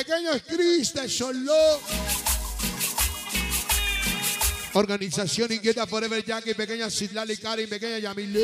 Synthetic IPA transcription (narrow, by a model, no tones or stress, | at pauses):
ekeɲoeskɾist̪esolo | oɾɣanisasjonĩŋɡjet̪apoɾeβeɾʝakepekeɲasit̪lalikaɾimpekeɲaʝamile